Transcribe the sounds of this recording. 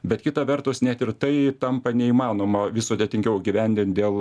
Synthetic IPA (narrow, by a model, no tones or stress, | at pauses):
bʲɛt̪kʲɪt̪ɐʋʲɛrt̪ʊsnʲæt̪ɪɾt̪ɐɪt̪ɐmpɐnʲɛiːmɑːnoːmɐʋʲɪsoːd̪ʲɛt̪ʲɪŋʲkʲɛʊɡʲiʋʲɛnʲd̪ʲɪnt̪̚d̪ʲeːlˠ